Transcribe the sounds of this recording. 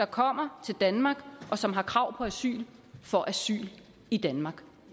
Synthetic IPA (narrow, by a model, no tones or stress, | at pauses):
d̥ɑ̈kʰɒ̽m̰ɐt͡sʰe̝ld̥ænmɑ̈ːɡ̥ʔɒ̽sɒ̽mɦɑ̈kʰʁɑ̈ʊ̰pʰɒ̽æsy̰ːlfɒ̽ʔæsy̰ːl | id̥ænmɑ̈ɡ̥